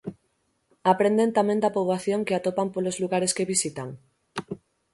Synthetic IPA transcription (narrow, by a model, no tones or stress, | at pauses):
apɾend̪ent̪amẽnd̪apoβlaθjõŋkeat̪opampolozluɣaɾeskeβisit̪aŋ